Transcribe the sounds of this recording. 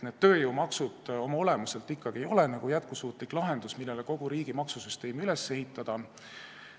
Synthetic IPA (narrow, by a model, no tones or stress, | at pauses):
ned̪̥t̪ø̞ːjowmɑksud̪̥o̞mɑo̞le̞muse̞lt̪ːikːɑɡ̥ie̞jo̞le̞nɑɡujæt̪̚kusuːt̪ˑliklɑɦe̞nd̪usmilːe̞leko̞ɡ̥uɾiːɡ̥imɑksusyst̪e̞ːmyle̞sːe̞ɦit̪ːˑɑd̪̥ɑ